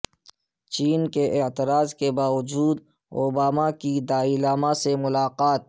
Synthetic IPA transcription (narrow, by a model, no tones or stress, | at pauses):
t͡ʃiːnkeʔɪt̪ɪɾaːzkebaːʋʊd͡ʒuːd̪ | oːbaːmakid̪aːɪlaːmasemʊlaːqaːt̪̚